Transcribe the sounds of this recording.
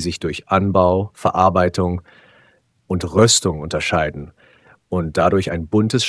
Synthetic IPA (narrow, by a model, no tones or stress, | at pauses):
zɪçd̥ʊɐçʔanbaʊfɛɐʔaɐbaɪtʊŋ | ʔʊntʁʏstʊŋʊntɐʃaɪdn̩ | ʊnt̚d̥adʊɐçaɪnbʊntəsʃ